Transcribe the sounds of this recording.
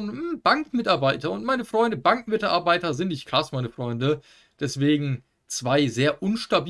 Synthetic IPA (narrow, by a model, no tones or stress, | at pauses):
n̩b̥aŋkmɪtaɐbaɪtɐʊntmaɪnəfʁ̥ɔʏndəbaŋkmɪtʔa̰ɐbaɪtɐzɪntnɪçtkʰl̥asmaɪnəfʁ̥ɔʏndə | d̥ɛsv̥eːɡŋ̩ | t͡sv̥aɪzeːɐʔʊnʃtabiː